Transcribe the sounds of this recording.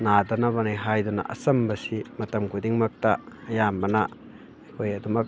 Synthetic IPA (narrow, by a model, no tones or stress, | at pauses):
nadɐnɐbɐnijɦajdunɐ̰ʔɐ̰sɐmbɐsimɐtɐmkʰudiŋmɐk̚tɐːjambɐnɐ | kʰojɐdumɐk̚